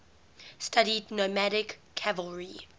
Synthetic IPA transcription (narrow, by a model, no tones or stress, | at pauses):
staɾidnomæɾɪkʰːævəlˠɹi